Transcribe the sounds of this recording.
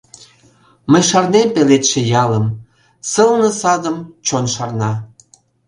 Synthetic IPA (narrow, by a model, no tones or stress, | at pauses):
məjʃɑrnempelet̪ʃĕjɑləm | səlnə̆sɑd̪əmt͡ɕonʃɑrnɑ